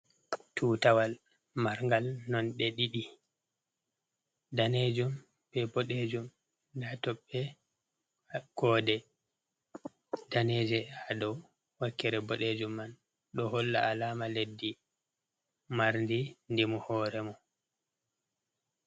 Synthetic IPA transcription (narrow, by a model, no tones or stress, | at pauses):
tʰutawal | maɾŋɡalnɔnɗɛɗiɗi | daned͡ʒum | bɛbɔɗed͡ʒum | datɔɓːɛ | ɡ̥ɔːdɛ | daneːd͡ʒɛaɗɔ | wakːɛɾɛbɔɗed͡ʒumːan | ɗɔholːa̰alaːmaledːi | maɾndindimuhɔːɾɛmɔ